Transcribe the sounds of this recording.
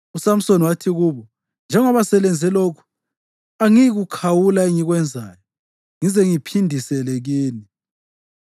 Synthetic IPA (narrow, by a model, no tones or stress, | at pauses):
usam̩sonwatʰiɣuːβɔ | nd͡ʒʱɛŋɔβasɛlɛnd͡zʱɛlokʰu̥ | aŋiɣukʰawulaeŋiɣwɛnd͡zʱaːjɔ | ŋizɛŋipʰindʱisɛleɣiːni